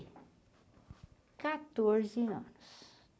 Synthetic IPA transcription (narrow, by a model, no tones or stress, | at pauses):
kat̪oɾziə̰nʊs